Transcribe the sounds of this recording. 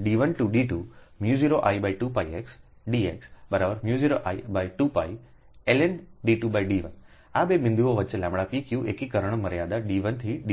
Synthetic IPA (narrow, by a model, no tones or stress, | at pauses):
ɗiːʋənʈuɗiːʈuːmjuːziːɾoʔa̰ːibaːiʈuːpaːieːks | ɗiːeːksbɐɾaːbəɾmjuːziːɾoʔaːibaːiʈuːpa̰ːi | eːlenɖiːʈubaːiɖiːʋən | aɓemɪ̃nd̪uoʋɐt͡ɕlãːmɽapikjueːkikɐɾəɽ̃mɐɾijaːd̪aɗiːʋənt̪ʰiɗiː